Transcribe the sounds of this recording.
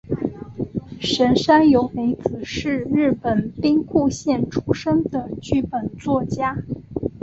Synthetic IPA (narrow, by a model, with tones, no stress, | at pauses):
ʂə˧˥nʂa˥njo˧˥ʊme˧˥ɪt͡sɹ̩˨˩ʂɻ̩˥˧ɻɻ̩˥˩pə˨˩npi˥ŋkʰu˥˧ɕjɛ˥˩nʈ͡ʂʰu˥ʂə˥ŋd̪ə˨t͡ɕy˥pə˨˩nt͡swɔ˥˩t͡ɕja˥